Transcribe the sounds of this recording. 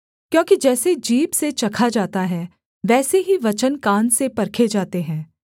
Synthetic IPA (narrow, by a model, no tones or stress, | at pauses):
kjõːkid͡ʒɛːsed͡ʒiːbset͡ʃɐkʰad͡ʒaːt̪aɦɛː | ʋɛːseɦiʋɐt͡ʃənkãːnsepɐɾkʰed͡ʒaːt̪eɦɛ̃ː